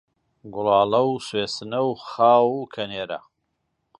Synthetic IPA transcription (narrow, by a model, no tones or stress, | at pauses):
ɡʊlɑːlɐwsweːsɨnɐwxaːwukʰɐneːɾɐ̰